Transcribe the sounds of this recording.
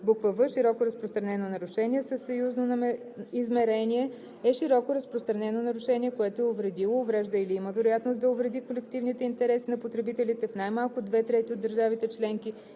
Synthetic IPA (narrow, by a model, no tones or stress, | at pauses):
bukvəvəʃiɾɔkoɾɐspɾost̪ɾɐnɛnonɐɾʊʃɛniɛsəsːɐjuznon | izmɛɾɛniɛ | ɛʃiɾɔkoɾɐspɾost̪ɾɐnɛnonɐɾʊʃɛniɛkoɛt̪oɛovɾɛd̪ilˠoːvɾɛʒd̪əiliiməvɛɾʊjat̪nost̪d̪ɐʊvɾɛd̪ikolɛkt̪ivnit̪ɛint̪ɛɾɛsinɐpot̪ɾɛbit̪ɛlit̪ɛfnajmalˠkʊd̪vɛt̪ɾɛt̪iod̪ːəɾʒavit̪ɛt͡ʃlɛŋki